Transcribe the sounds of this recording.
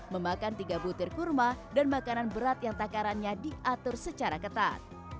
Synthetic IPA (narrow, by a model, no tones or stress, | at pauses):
məmakant̪iɡabut̪ɪrkurmadanmakananbəɾat̪̚jaŋt̪akaɾanɲadiʔat̪ʊrsət͡ʃaɾakət̪a̰t̪̚